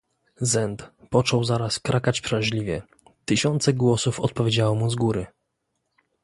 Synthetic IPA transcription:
zɛnt̪pɔt͡ʂɔwzaɾaskɾʔakat͡ɕpʂalʑlʲivʲjɛ | t̪ɘɕɔnt̪sɛɡwɔsufɔt̪̚pɔvʲjed͡ʑawɔmuzɡuɾɘ

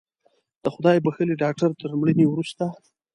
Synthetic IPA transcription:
d̪̥əxʊd̪ɑjbaxəliɖɑk̚ʈaɾt̪əɾmɽəniwɾust̪a

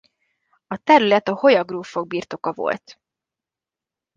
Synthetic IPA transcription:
ɒt̪ɛɾylɛt̪ɒho̞jɒɡroːfo̞ɡ̚biːrt̪o̞kɒvo̰lt̪

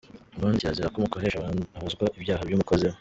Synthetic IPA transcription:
maːnzijaziɾakomukoheʃaahozɡwaʔibjaːɦabjuːmukoze

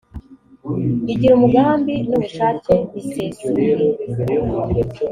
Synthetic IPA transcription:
iɟiɾumuɡaːmbinumuʃaːceβisezu

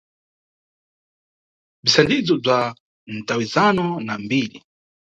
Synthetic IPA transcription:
visandid͡zɔb͡ʐa | n̩tawizanɔnambili

